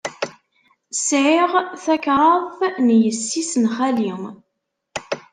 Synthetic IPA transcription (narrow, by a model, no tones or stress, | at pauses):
sʕiʁθækɾˤəvnjəsːisənχæliŋ